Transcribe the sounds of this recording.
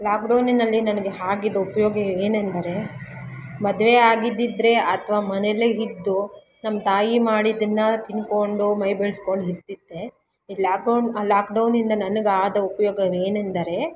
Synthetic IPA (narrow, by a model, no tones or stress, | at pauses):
laːkɖɐwnnɐlːinɐnɐɡeɦaːɡid̪ɐupɐjoːɡɐeːnend̪ɐɾe̞ | mɐd̪ʋeaːɡid̪ːid̪ɾe̞ʔɐt̪ʰɐʋaːmɐneleid̪ːu | nɐmːɐt̪aːjimaːɽid̪ɐnːɐt̪inko̞ɳɖumɐjbeɭsko̞ɳɖuɦist̪id̪ːe̞ | ilaːk̚ɖɐnlaːk̚ɖɐwnind̪ɐnɐnɐɡaːd̪ɐupɐjoːɡɐʋeːnend̪ɐɾe̞